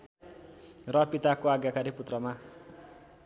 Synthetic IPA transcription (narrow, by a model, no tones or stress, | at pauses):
rʌpit̪akoaɡjakaɾiput̪rʌma